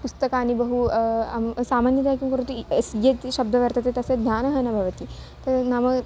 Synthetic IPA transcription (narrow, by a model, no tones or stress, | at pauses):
pust̪ɐkaːnibɐɦuɐmsaːmaːnjɐd̪aːkjimkɐɾut̪uesjɐt̪ʃɐbd̪ʱɐʋɐɾt̪ɐt̪et̪ɐsɐd̪ʱjaːnɐɦɐnɐbʱɐʋɐt̪i | t̪ɐnɐmɐ